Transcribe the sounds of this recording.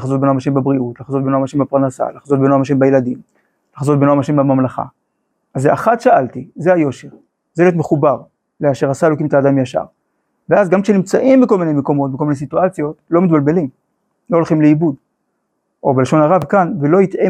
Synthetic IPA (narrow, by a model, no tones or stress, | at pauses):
laχazot̚benoamaʃembabʁiutlaχazot̚benoamaʃembapaʁnasa̰laχazot̪̚benoamaʃ̬embajeladim | laχazo̞t̪̚benoamaʃembamamlaχa̰ | azeaχatʃaaltizeajo̞ʃeʁ | zeljot̪̬meχubaʁ | leaʃeʁasaelo̞kimtaːdamjaʃa̰ʁ | veazɡamkʃenimt͡saʔimbeko̞lminemeko̞mo̞t̪beko̞mines̬ituat͡sjo̞tlo̞mit̪balbe̞lim | lo̞olχimleibud | ʔo̞beleʃo̞naʁavkanvelo̞ite